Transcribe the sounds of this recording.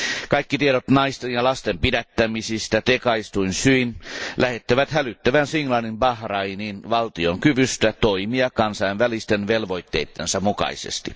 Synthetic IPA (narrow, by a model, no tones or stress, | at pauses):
kɑikːit̪ieɾot̪nɑist̪enjɑlɑst̪empidæt̪ːæmisist̪æt̪ekɑist̪uinsyinlʔæhet̪ːæʋæt̪hælyt̪ːæʋænsiŋlɑnimpɑhrɑininʋɑlt̪ioŋkyʋyst̪æt̪oimiɑkɑnsɑjnʋælist̪enʋelʋoit̪ːeit̪ːensɑmukɑ̰isḛst̪i